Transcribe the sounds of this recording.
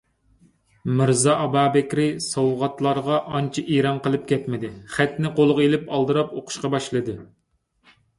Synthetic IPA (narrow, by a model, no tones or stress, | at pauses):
mɨɾzɑɑbɑːbɛkʲɾɪsɑwʁɑt̪lˠɑɾʁɑʔɑnt͡ʃʰiʔeɾɑnqəlˠɨp̚kʲʰɛt̪mɪd̪ɪχæt̪nɪqolˠʁelɪpɑlˠd̪ɨɾɑpoqʰʊ̥ʃqɑbɑʃlˠɨd̪ɨ